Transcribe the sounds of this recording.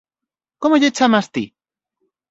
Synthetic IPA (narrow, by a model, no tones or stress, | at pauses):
komoʝet͡ʃamast̪i